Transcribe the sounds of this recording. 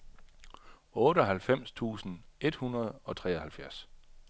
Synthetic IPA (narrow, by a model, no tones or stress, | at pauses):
ɔ̽ːɾəɒɦælfem̰st͡sʰṵːsn̩e̝d̥hunɐð̞ˠɒ̽t͡sʰʁɛ̰ːɒhælfjæɐs